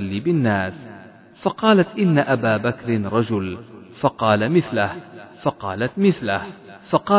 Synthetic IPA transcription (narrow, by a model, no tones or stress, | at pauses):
lːiːbɪnːaːs | fɑqɑːlat̪ʔɪnːaʔabaːbakɾɪnɾˤɑd͡ʒʊlfɑqɑːlamɪθlahfɑqɑ̰ːlat̪mɪθlahfɑqɑː